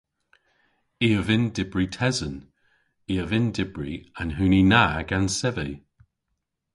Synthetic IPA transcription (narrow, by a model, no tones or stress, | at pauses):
iːəvɪndɪb̥ɹitʰɛzən | iːəvɪndɪb̥ɹḭanɦʉːninaːɡ̥ansɛvəj